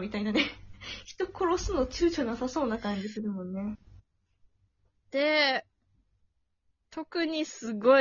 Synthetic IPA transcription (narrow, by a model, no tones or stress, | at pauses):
mʲit̪ainane̞çi̥t̪o̞ko̞ɾo̞sɨno̞t͡ɕɨːt͡ɕoɲasaso̞ːnakãɲ̟d͡ʑisɨɾɯmõ̞nːe̞ | d̪̥e̞ | t̪ʰo̞kɯ̟ɲ̟isɨɡo̞